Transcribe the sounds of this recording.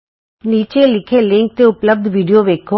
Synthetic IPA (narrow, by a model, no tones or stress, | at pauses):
niːt͡ʃelɪkʰelɪ̃ŋk̚t̪eʊpləb̚d̪ʱʋiːɖijoʋeːkʰo